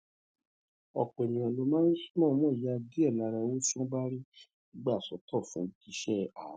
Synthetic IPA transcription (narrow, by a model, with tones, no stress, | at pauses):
ɔ˨k͡pɔ˨e˨nĩ˨ɔ̃˨lo˧˦mãː˦n̩˦su˦mɔ̃˦˨˦mɔ̃˦i˨ja˨˧di˦ɛ˦˨la˧ɾa˧o˦ʃɔ̃˦ɡ͡ba˦ɾi˦ | i˦ɡ͡ba˦˨sɔ˨˦tɔ˦˨fũ˨˦di˨˦ʃɛ˦˨a̰˨˦